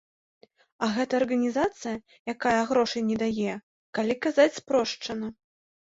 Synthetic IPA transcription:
ɐɣɛt̪ɐːrɣɐnʲizat̪sɨjɐ | jakajɐɣɾɔʂɐjnʲɛd̪ajɛ | kalʲikazat͡sʲspɾɔʂt͡ʂɐnɐ

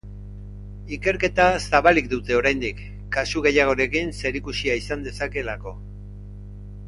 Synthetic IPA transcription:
ike̞ɾke̞t̪asaβalik̚d̪ut̪e̞o̞ɾajnd̪ikː | asuɣ̞e̞jaɣ̞o̞ɾe̞kinse̞ɾikusiaisand̪e̞sake̞lako̞

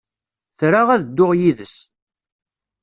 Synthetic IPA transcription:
θɾaʁæðəd̪ːʊʁjiðəs

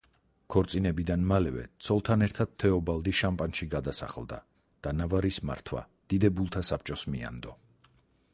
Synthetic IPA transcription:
kʰɔɾt̪sʼinɛbid̪anmalɛvɛ̰t̪sʰɔlˠt̪ʰanɛɾt̪ʰad̪̥̚t̪ʰɛɔbalˠd̪iʃampʼanʃiɡad̪asa̰χlˠd̪a̰ | d̪̥anavaɾisma̰ɾt̪ʰwa̰ | d̪̥id̪ɛbulˠt̪ʰasapʰt͡ʃʼɔsmia̰nd̪ɔ

